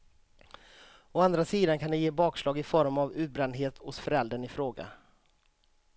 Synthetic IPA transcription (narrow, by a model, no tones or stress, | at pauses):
ɔand̪ɾasiːd̪ankʰand̪ɛjeːbɑːkslɑːɡɪfɔɾmavʉ̟ːt̪̚bɾɛnd̪ɦeːt̪hʊsfœɾɛld̪ɾəɳɪfɾoːɡa̰